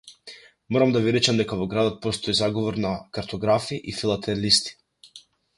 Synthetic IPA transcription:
mɔɾamd̪aviɾɛt͡ʃamd̪ɛkavɔɡɾad̪ɔt̪̚pɔst̪ɔizaɡɔvɔɾnakaɾt̪ʰɔɡɾafiʔifilˠat̪ʰɛlist̪i̥

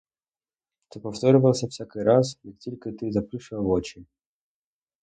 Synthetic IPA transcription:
t̪ɨpɐft̪oɾəvəlˠsʲəfsʲakɨjɾas̬jikt̪ʲilʲkɨt̪ɨzɐpɾɨʂɨvot͡ɕɪnʲ

